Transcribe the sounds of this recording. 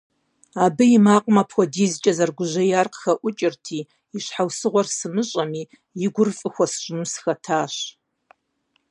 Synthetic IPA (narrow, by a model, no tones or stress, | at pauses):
aːbɨjɪmaːqʷʼmɐpʰxʷɔdiːzt͡ʃʼɐzɐrɡʷʊʑɐjaːrqxɐʔʷʊt͡ʃʼɪrtʰiː | iɕħawsɨʁʷɔrsɨmɨɕʼɐmiː | jɪɡʷʊrfʼɨxʷɔsɨʒʼnusxɐtʰaːɕ